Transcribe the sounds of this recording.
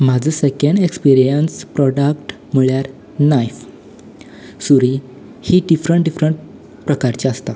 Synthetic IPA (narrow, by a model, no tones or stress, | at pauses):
mad͡zʱəsekəɳɖekspiɾijənspɾɔɖakʈ | məɭjaɾ | najf | suɾi | hiɖifɾəɳʈ̚ɖifɾəɳʈ | pɾəkaɾt͡ɕeəst̪a